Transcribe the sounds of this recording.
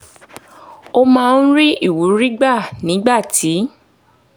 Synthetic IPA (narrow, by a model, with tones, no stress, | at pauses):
o˧mãː˦˧n̩˦ɾi˦i˦˨wu˨˦ɾi˦ɡ͡ba˦˨nĩ˨˦ɡ͡ba˦˨tʰi˨˦